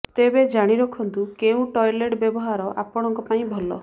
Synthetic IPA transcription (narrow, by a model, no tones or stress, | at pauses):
t̪ebed͡ʒaɽ̃iɾɔkʰɔnt̪ukeũʈɔjleʈbjɔbɔɦaɾɔʔa̰pɔɽ̃ɔŋkɔpaĩbʱɔlɔ̰